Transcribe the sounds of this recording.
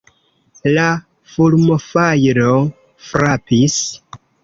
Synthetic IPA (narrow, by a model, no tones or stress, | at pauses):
la | fulmofajɾo | fɾapis